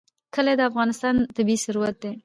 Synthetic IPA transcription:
kəled̪əafɣɑnɪst̪ɑnt̪abisaɾuwat̪̚d̪e

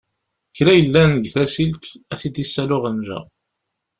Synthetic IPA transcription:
çɾæjəlːænəɡθæsilt̪æθid̪isːælʊʁənʒæ̰

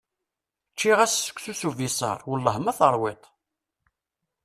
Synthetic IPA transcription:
t͡ʃːiʁæsːə̥kʷːsusuvisˤɑ̰ɾˤwəlːəɦmæθəɾˤwet̪ˤ

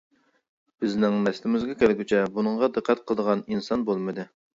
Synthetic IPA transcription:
b̥ɪznɪŋnɛst̪ɪmɪzɡʲɛkʲʰælɡʲyt͡ʃʰɛbunəŋʁɑd̪ɨqʰːæt̪qʰəlˠəd̪əʁɑninsɑnbolˠmɨd̪ɨ

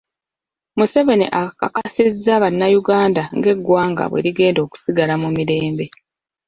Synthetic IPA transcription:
muse̞ve̞nḭʔakakasizːaβanːajuɡaːndaŋɡe̞ɡwaːŋɡa̰βwe̞̰liɡe̞ːndo̞ːku̥siɡalamumiɾe̞ːmbe̞

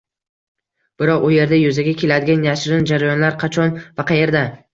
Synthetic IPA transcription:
b̥ɪɾɒqʊje̞ɾd̪ajʊzaɡʲakʲʰe̞lad̪ɪɡʲanjaʃɾɪnd͡ʒaɾajɒnlaɾqʰɑt͡ʃʰɒnvaqʰɑje̞ɾd̪a

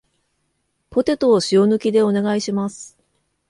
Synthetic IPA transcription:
po̞t̪e̞t̪oːɕio̞nɯ̟kʲid̪e̞o̞ne̞ɡaiɕimasɨ̥

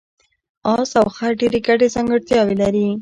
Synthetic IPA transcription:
ɑsawxaɖeɾeɡaʈezaŋɡəɽt̪jɑwelaɾi

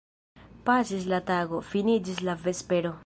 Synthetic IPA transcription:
pasislataɡo̞finid͡ʒislave̞speɾo̞

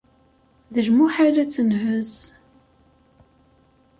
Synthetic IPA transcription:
ðəʒmuħalæt͡sːənɦəz

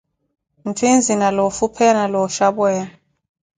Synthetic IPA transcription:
ntʰind͡zʱinalɔfupʰɛnalɔʃaɓwɛːja

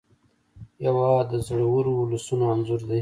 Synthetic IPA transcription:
jawɑd̪əzɽawuɾoːlusunoanzuɾd̪e

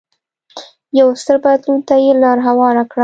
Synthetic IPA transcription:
jawst̪əɾbad̪lunt̪ajelɑɾɦawɑɾakɽa

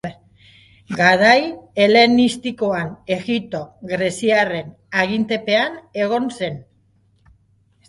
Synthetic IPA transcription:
ɡaɾaje̞le̞nist̪ikoane̞ɣit̪o̞ɡɾe̞siare̞n | aɣ̞int̪e̞pe̞ane̞ɣ̞o̞nse̞n

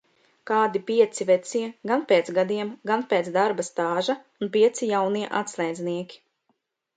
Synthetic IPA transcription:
kaːd̪ipiɛt̪sivɛt̪siɛɡanpeːt̪ɡad̪iɛmɡanpeːt̪zd̪aɾbast̪aːʒaunpiɛt̪sijawniɛʔa̰t̪slˠɛjd̪zniɛkʲi̥

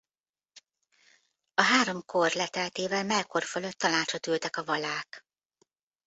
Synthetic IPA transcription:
ɒɦaːɾo̞mkʰo̞rlɛt̪ɛlt̪eːvɛlmɛlko̞rføløt̪ːɒnaːt͡ʃɒt̪ylt̪ɛkɒvɒlaːk

